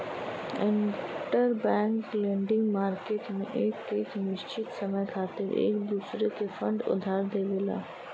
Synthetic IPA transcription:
ɪ̃nkʈəɾbɛ̃ːŋklẽːɳɖɪ̃ŋɡmaːɾkeːʈmḛ̃ʔeːkeːknɪʃt͡ʃɪt̪sɐməjkʰaːt̪ɪɾḛːkd̪uːsɾet̪efɐ̃ɳɖʊ̰d̪ʱaːɾd̪eːʋela̰ː

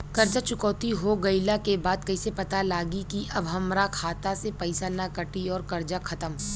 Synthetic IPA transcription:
kɐɾd͡ʒat͡ʃʊkɔːt̪iɦoɡɐɪlakebaːd̪̚kɐisepɐt̪alaːɡikiʔɐbɦɐmɾakʰaːt̪asepɐɪsanakɐʈiɔːɾkɐɾd͡ʒakʰɐt̪əm

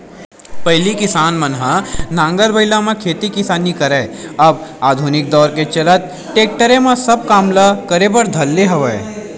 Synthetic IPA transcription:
pɐɦlikɪsaːnmɐnɦənãːŋɡəɾbəɪlãmẽkʰeːt̪ikɪsaːnikɐɾəːɐbaːd̪ʱunɪk̚d̪ɔːɾket͡ʃɐlət̪̚ | ʈeːk̚ʈəɾẽmãsɐb̚kaːmlakəɾebəɾd̪ʱɐlːeɦɐʋəe

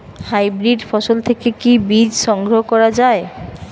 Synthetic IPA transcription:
hajbɾiɖfɔʃolt̪ʰekekibid͡ʑʃɔŋɡɾoɦokɔɾad͡ʑae

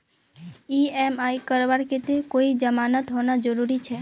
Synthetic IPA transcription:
iemaikəɾbaɾket̪ekoid͡ʒəmanət̪ɦonad͡ʒəɾuɾit͡ʃʰɛ

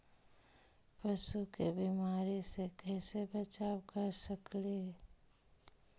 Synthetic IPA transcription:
pəʃukebimaːɾisekɛːsebət͡ʃawkəɾsəkle

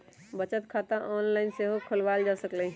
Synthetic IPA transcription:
bət͡ʃət̪kʰat̪ãʔɔnlaɪnseɦokʰəlʋald͡ʒasəklə

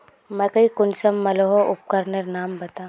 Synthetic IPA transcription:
mɛ̃kɐɦikʊnsɐmːɐloɦoʔʊp̚kəɾnəɾnaːmbɐt̪aː

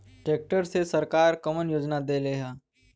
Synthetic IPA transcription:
ʈeːk̚ʈəɾsesəɾkaːɾkəmənjoːd͡ʒnad̪eːleɦaː

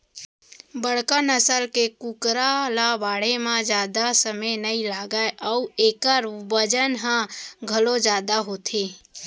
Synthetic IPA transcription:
bəɽkənəsəlkekukɾalabaːɽemãd͡ʒjaːd̪asəməjnəilaːɡaeʔɔueːkəɾbəd͡ʒənɦãɡʱəlod͡ʒjaːd̪aɦoːt̪ʰeː

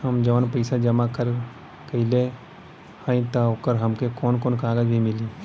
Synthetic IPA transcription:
hɐmd͡ʒɐʋənpəɪsad͡ʒɐmakəɾ | kɐile | hãːĩt̪aokəɾɦɐmkekoːnkoːnkaːɡəd͡ʒʱimɪli

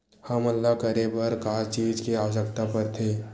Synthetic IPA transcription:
həməlːakəɾebəɾkaːt͡ʃiːd͡ʒkeaːsək̚t̪apəɾt̪ʰeː

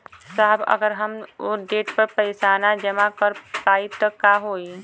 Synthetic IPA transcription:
saɦbə̰ɡəɾɦəmoɖeːʈpəɾpəɪsaːnad͡ʒəmakəɾpaːit̪ɔkaɦoːi

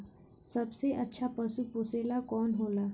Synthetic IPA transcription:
sɐbseʔɐtːʃʰapɐsuposeːlakɔːnɦoːlaː

